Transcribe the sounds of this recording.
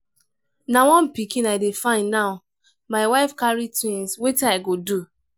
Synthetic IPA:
nawɔ̃npikĩnaɪdefãɪ̃nːaʊ | maɪwaɪfkaɹitwĩnswetaɪɡodu

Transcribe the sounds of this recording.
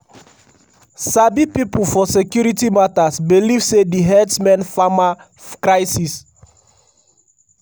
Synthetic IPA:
sabipipufɔsekjuɾitimatasbilivsediɦɛtsmɛ̃nfama | kɹaɪsis

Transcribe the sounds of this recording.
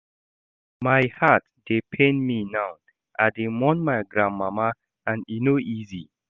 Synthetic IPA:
majhat̚d̥epʰẽnminaw | ʔademɔ̃nmajɡɹãnmama | ãninoʔizi

